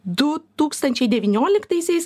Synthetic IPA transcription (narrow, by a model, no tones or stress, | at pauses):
d̪ʊt̪uːkst̪ɐnʲt͡ʃʲɛɪd̪ʲɛʋʲinʲoːlʲɪkt̪ɐɪsʲɛɪs